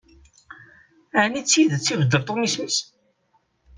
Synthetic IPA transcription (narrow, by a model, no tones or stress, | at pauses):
ænit͡sːiðt͡sːivəd̪ːəɾt̪ˤomisməs